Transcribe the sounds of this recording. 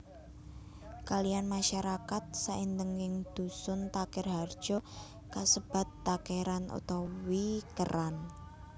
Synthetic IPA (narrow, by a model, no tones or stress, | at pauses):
kalijanmaʃaɾakat̪̚saʔind̪əŋɪŋd̪̥ṳsʊnt̪akɪrɦard̥ʒ̥ɔ̤ | kasəb̥a̤t̪ːakeɾanʔo̰t̪ɔwikəɾan